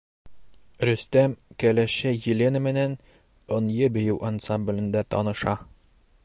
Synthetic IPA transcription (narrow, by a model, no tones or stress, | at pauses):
ɾɵ̆st̪æmkælæɕæjĭlʲenɘmɘ̆næn | ŏnjɤbɘ̆jɘwʔɐnsamblʲɘ̆nd̪æt̪ɒ̰nɤ̆ʃɑ